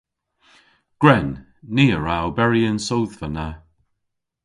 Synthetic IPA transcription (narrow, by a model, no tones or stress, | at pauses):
ɡ̥ɹɛnː | iːəɹawbɛɹiənsowðvəna